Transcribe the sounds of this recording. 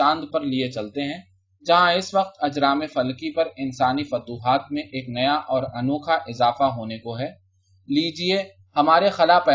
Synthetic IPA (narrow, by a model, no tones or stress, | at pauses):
ãːnd̪pɐɾliet͡ʃɐlt̪eɦɛ̃ː | d͡ʒɐɦãɪsʋɐq̚t̪ɐd͡ʒɾaːmefɐlkipɐɾɪnsaːnifɐt̪uːɦaːt̪̚mẽʔeːknɐjaʔɔːɾɐnoːkʰaʔɪzaːfaɦoːnekoɦɛː | liːd͡ʒie | hɐmaːɾexɐlaːpɛː